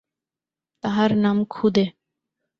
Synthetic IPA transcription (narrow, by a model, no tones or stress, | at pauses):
t̪aɦaɾnaːmkʰud̪e